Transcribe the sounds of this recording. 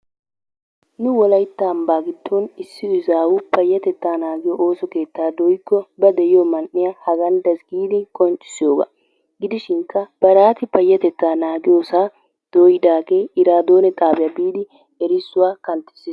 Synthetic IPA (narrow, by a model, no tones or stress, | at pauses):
nʊwɔlɐjt̪ːambaːɡɪt̪ʰːonɪsːɪʊzaːwʊpɐjːɐt̪ɛt̪ːaːnaːɡɪjoʔoːsɔke̞ːt̪ːaːd̪ɔjkːɔbɐd̪ɛjɪjomɐnʔːɪjahɐɡɐnd̪ɐsɡiːd̪ɪkʼɔnt͡ʃʼɪ̥sɪjoːɡa̰ | ɡɪd̪ɪʃɪŋkːɐb̥ɐɾaːt̪ɪpɐjːɐt̪ɛt̪ːaːnaːɡɪjoːsaː | d̪̥oːjɪd̪aːkeːɪɾaːd̪o̞ːnɛt̪ʼaːbɪjɐbiːd̪ɪ | ɛɾɪsːʊwaːkɐnt̪ːɪ̥s